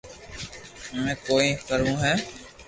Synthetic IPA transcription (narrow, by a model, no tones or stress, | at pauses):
mɛ̃ːkoːĩːkəɾũːɦɛː